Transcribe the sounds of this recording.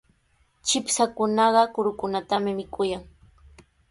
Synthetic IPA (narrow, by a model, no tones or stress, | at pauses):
t͡ʃɪpsakʊnɑɢɑkʊɾʊkʊnat̪amɪmɪkʊjaŋ